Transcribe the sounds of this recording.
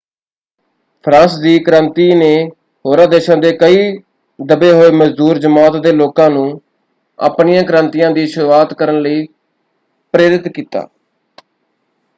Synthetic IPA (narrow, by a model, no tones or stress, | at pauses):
pʰɾãːsd̪iːkəɾãːnt̪iːneː | ɦoːɾãːd̪eːʃãːd̪eːkəiː | d̪əbeːɦoːeːməd͡ʒd̪uːɾd͡ʒəmaːt̪d̪eːloːkãːnũː | a̰ːpnɪjãːkəɾãːnt̪ijãːd̪iːʃʊɾuːaːt̪kəɾənləiː | pɾeːɾɪt̪kiːt̪a̰ː